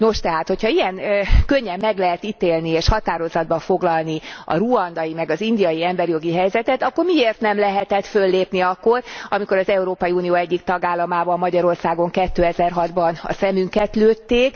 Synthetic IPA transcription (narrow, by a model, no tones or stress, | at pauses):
no̞ʃt̪ɛɦaːt̪ho̞chɒiɛŋkøɲːɛmːɛɡlɛɦɛt̪it̪eːlnieːʃhɒt̪aːɾo̞zɒd̪̚bɒfo̞ɡlɒlniɒ̰ruɒnd̪ɒjimɛɡɒzind̪ijɒjiɛmbɛɾjo̞ɡiɦɛjzɛt̪ɛt̪ɒkːo̞rmieːrt̪nɛmlɛɦɛt̪ɛt̪fø̞lːeːpniɒkːo̞rɒmiko̞ɾɒzɛuɾoːpɒjiuːnijoːɛɟːikt̪ɒɡaːlːɒmaːbɒmːɒɟɒɾo̞rsaːɡo̞ŋkɛt̪ːøːɛzɛrɦɒd̪bɒnɒ̰sɛmyŋkɛt̪løːt̪ːeːk